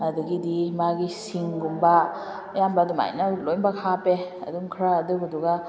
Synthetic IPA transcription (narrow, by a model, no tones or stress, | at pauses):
ɐduɡidimaɡisiŋɡumba | jambaduma̰jnɐlojnbakʰapeɐ̰duŋkʰɾaːduɐduɡa